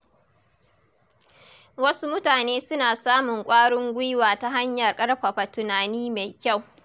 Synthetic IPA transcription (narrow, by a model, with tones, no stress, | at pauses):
wɐ˦su˦mʊ˦taː˨neː˦sʊ˦naː˨saː˦mʊ˨ŋkʷʼaː˦ɽʊ˦ŋɡʷʊ˦jwaː˨ta˦ɦa˦ɲjɐ˨rkʼɐ˦rɸa˨ɸa˨tʊ˨naː˨niː˦ma˨jkʲa˦˨w